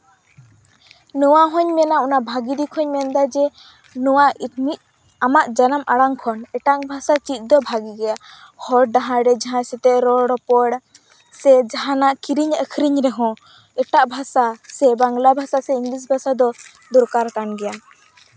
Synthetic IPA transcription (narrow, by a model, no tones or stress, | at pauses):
nɔwaɦɔɲmɛnaʔɔnaʔbʱaɡid̪ikʰɔɲmɛnd̪ad͡ʒɛ | nɔwaiʈ̚mit̪̚ | amaʔd͡ʒanamaɽaŋkʰɔnɛʈaŋbʱasat͡ʃic̪̚ˀd̪ɔbʱaɡiɡɛja | hɔɾɖaɦãɾɛd͡ʒaɦãsɛt̪ɛʔɾɔɽɔpɔɽ | sɛd͡ʒaɦãnaʔkiɾiɲəkʰɾiɲɾɛɦɔ̃ | ɛʈaʔbʱasasɛbaŋlabʱasasɛiŋɡlis̬bʱasad̪ɔ | d̪ɔɾkaɾkanɡɛja